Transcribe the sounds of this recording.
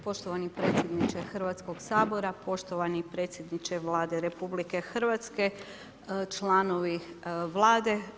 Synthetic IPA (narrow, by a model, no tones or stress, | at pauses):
po̞ʃt̪oʋanipɾeːt̪sjed̪nit͡ʃexɾ̩ʋat̪sko̞ɡ̥saːbo̞ɾapo̞ʃt̪o̞ʋanipɾe̞ːt̪sjed̪nit͡ʃeʋlˠaːd̪e̞ɾe̞publike̞xɾ̩ʋat̪ske̞ | t͡ʃlˠaːno̞ʋiʋlˠaːd̪e̞